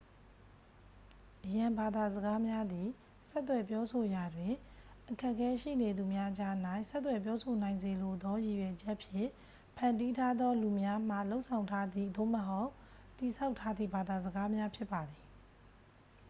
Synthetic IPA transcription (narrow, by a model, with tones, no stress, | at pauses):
ʔəjã˨mba˨d̪a˨zəɡa˦mja˦d̪i˨ | sɛ˦t̪ːwɛ˨p̬jɔ˦so˨ja˨dwɪ̃˨ | ʔəkʰɛ˦ʔkʰɛ˦ʃḭ˦˨ne˨d̪u˨mja˦ʔəd͡ʑa˦ʔn̥a˦˨ɪ̃sɛ˦t̪̬ːwɛ˨pjɔ˦sʰo˨nã˨ɪ̃nze˨lo˨d̪ɔ˦ji˨jɛ˨d͡ʑɛ˦ʔpʰjɪ̰̃˦˨ | pʰã˨ndi˦tʰa˦d̪ɔ˦lu˨mja˦m̥a̰˦˨lo˦ʊʔsʰã˨ʊ̃ntʰa˦d̪i˦˨d̪o̰˦˨məɦo˦ʊʔ | tːi˨sa˦ʊʔtʰːa˦d̪ðḭ˦˨ba˨d̪a˨zə˨ɡa˦mja˦pʰjɪ˦pːa˨d̪ði˨